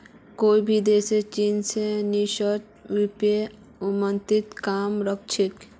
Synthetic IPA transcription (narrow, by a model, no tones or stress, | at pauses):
koːibʱid̪eːset͡ʃiːnseniʃət | ʋipe | ʊmə̃nt̪ɪt̪kaːmɾək̚t͡ʃʰɪk